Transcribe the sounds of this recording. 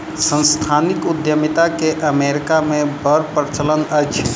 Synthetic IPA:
sə̃nst̪ʰanikud̪jəmit̪akeʔəmeɾikamebəɾpɾt͡ʃələnəjt͡ʃʰ

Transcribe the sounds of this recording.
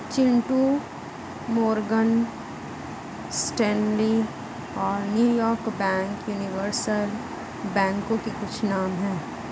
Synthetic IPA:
t͡ʃɪ̃ɳʈu | mɔːɾɡən | sʈɛ̃ːnli | ɔːɾnjuːjɔːɾkbɛ̃ːŋkjuːnɪʋəɾsəl | bɛ̃ːŋkõkekʊt͡ʃʰnaːmɦɛ̃ː

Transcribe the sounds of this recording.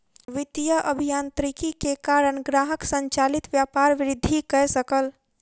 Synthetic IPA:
ʋɪt̪ijəʔəbʱijaːnt̪ɾikikekaːɾəɳɡɾaːɦəksə̃ɲt͡ʃaːlɪt̪ʋjaːpaːɾʋɪɾɪd̪ʱːikɛɦsəkəl

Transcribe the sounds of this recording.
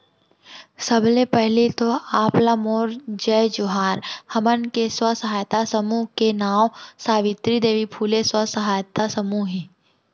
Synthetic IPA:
sɐblepɛɦlit̪oaːplamoːɾd͡ʒəjd͡ʒʊɦaːɾhɐmənkeswəsɐɦaːjt̪asəmuːɦkenaːwsaːʋɪt̪ɾid̪eːʋipʰuːleswəsɐɦaːjt̪asɐmuɦi

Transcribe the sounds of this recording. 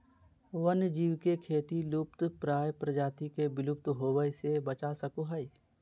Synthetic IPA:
ʋənd͡ʒiːwkekʰeːt̪ilupt̪pɾaːjpɾəd͡ʒaːt̪ikebɪlʊp̚t̪ɦoːwəjsebət͡ʃasəkuɦəi

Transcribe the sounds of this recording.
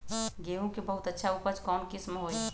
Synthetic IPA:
ɡeːũkebɐɦʊt̪ətːʃʰaupəɾt͡ʃkɔːnkismɦoːi

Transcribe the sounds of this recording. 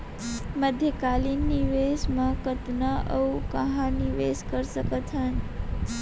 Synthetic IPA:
məd̪ʱjəkalinːiʋesmãkət̪naʔəukəɦãniʋeskəɾsəkət̪ʰhən

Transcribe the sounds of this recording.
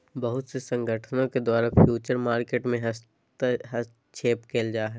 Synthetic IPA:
bɐɦʊt̪sesɐ̃ŋɡʱəʈʰənõked̪waːɾafʰjuːt͡ʃəɾmaːɾkeːʈmẽɦɐs | t̪ɦɐs | t͡ʃʰeːpkeːld͡ʒaːɦɛː

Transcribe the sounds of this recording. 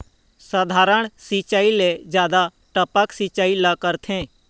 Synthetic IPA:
səd̪ʱaːɾəɳ̃sit͡ʃaːiled͡ʒjaːd̪a | ʈəpəksit͡ʃaːiləkəɾt̪ʰẽː

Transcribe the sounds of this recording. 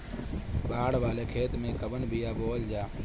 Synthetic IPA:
baːɽʋaːleːkʰeːt̪mẽːkəɓənbʱijaːboːld͡ʒaː

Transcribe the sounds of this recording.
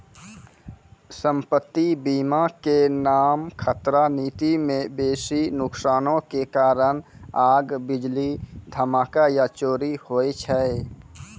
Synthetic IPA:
sə̃mpət̪ːibiːmakenaːmkʰət̪ɾaniːt̪imẽbeːsinʊksaːnõkekaːɾənaːɡbɪd͡ʒlid̪ʱəmaːkajat͡ʃoːɾihoːet͡ʃʰɛe

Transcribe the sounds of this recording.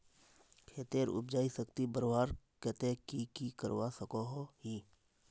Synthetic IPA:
kʰeːt̪eːɾʊ̰b̚d͡ʒaːisəkt̪ibəɾʋaːɾkɛt̪ẽkikikəɾwaːsəkoɦoɦiː

